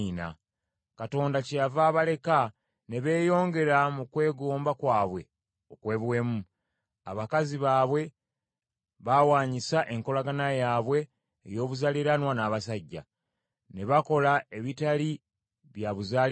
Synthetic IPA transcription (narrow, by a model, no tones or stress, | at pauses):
na̰ | kato̞ːndacejavaːβale̞ka | ne̞βe̞ːjo̞ːŋɡe̞ɾamukwe̞ːɡo̞ːmbakwaːβwe̞̰ | o̞kwe̞ːβwe̞ːmu | a̰βakaziβaːβwe̞ | βawaːɲisaʔe̞ŋko̞laɡanajaːβwe̞ː | jo̞ːβuzaliɾanwanaːβasaɟːa̰ | ne̞βako̞lae̞βitali | βjaβuzaː